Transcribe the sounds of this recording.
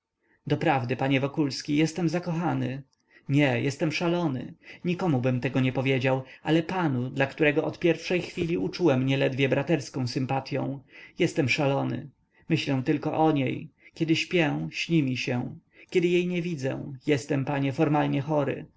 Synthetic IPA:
d̪ɔpɾavd̪ɘpaɲɛvɔkulskʲijɛst̪ɛmzakɔxanɘ | ɲɛjɛst̪ɛmʂalɔnɘ̰ɲikɔmubɘmt̪ɛɡɔɲɛpɔvʲjed͡ʑawalɛpanud̪lakt̪uɾɛɡɔʔɔt̪pʲjɛɾfʂɛjxfʲilʲiut͡ʂuwɛmɲɛlɛd̪vʲjɛbɾat̪ɛɾskɔ̃w̃sɘmpat̪ʲjɔ̰̃w̃jɛst̪ɛmʂalɔnɘ̰ | mɘɕlɛw̃t̪ɘlkɔʔɔɲejkʲɛd̪ɘɕpʲjɛ̃ɕɲʲimʲiɕɛ̃ | kʲɛd̪ɘjejɲɛvʲid̪zɛ̰̃jɛst̪ɛmpaɲɛfɔɾmalɲɛxɔɾɘ̰

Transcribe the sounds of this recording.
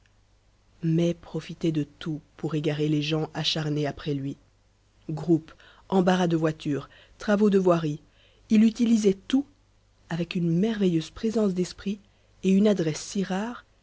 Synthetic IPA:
mɛpχɔfit̪ɛd̪ət̪upuʁeɡaʁeleʒɑ̃ʔaʃaʁneapχɛlɥi | ɡʁup | ɑ̃baʁad̪əvwat̪yːʁ | t̪χavod̪əvwaʁi | ilyt̪ilizɛt̪u | avɛkynmɛʁvejøz̥pχezɑ̃s̬d̪ɛspχi | eynad̪ʁɛsːiʁaːʁ

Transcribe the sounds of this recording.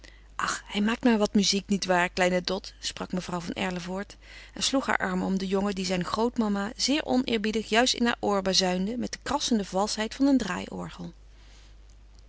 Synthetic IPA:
ʔɑχhɛjmaːk̚tmaːɹʋɑtmyziknitʋaːɹklɛjnədɔtsprɑkməvrʌwvɑnɛ̰ɹləvʊːɹtɛnsluχɦa̰ːɹʔɑ̰ɹməɔmdəjɔŋədizɛjnχrowtmɑmazɪːɹʔɔ̰nʔɪ̰ːɹbidəχjœɥstɪ̰nɦa̰ːɹʔʊːɹbazœɥndəmɛt̚dəkrɑsəndəvɑlˠsɦɛjtfɑnəndra̰ːjʔɔ̰ɹχəlˠ

